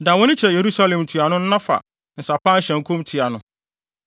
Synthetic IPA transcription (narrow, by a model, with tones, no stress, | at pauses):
dã˨wɔ̃˦nɪ̃˦t͡ɕʰɛ˨je˨ɾu˦sa˦lɛ̃˨mtʰu˨a˨nʊ̃˦n̩˦nã˦fa̰˨ | n̩˨sa˨pã˦n̩˦ɕɛ̃˨ŋ˨kʰũ˦mtʰi˨a˨nʊ̃˨˦